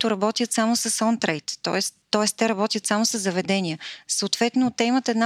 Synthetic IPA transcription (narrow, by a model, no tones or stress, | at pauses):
t̪ʊɾɐbɔt̪ʲiət̪samʊsəsɔnt̪ɾɛjt̪ːɔ̰ɛst̪ːɔɛst̪ɛɾɐbɔt̪ʲjət̪samʊsəzːɐvɛd̪ɛnʲiəsəʊːt̪vɛt̪nʊt̪ɛimət̪ɛd̪na